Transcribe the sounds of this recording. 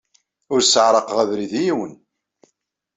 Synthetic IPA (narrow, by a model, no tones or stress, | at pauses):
ʊɾsəʕɾˤəqʁævɾiðijiwən